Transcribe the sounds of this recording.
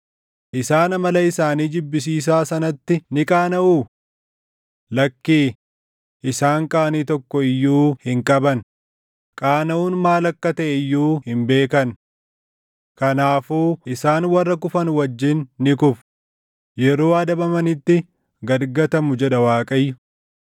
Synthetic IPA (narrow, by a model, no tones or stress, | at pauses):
ʔɪsaːnɐmɐlɐɪsaːniːd͡ʒɪbːɪs̬iːs̬aːsɐnɐt̪ːɪnɪkʼaːnɐʔuː | lɐkːiː | ʔɪsaːŋkʼaːniːt̪ɔkːɔɪjːuːhɪŋkʼɐbɐn | kʼaːnɐuːnmaːlɐkːɐt̪ɐʔɪjːuːhɪmbe̞ːkɐn | kɐnaːfuːɪsaːnwɐrːɐkʊfɐnwɐd͡ʒːɪnːɪkʊf | jɛɾoːɐd̪ɐbɐmɐnɪt̪ːɪ | ɡɐɾɡɐt̪ɐmʊd͡ʒɛᶑɐwaːkʼɐjːʊ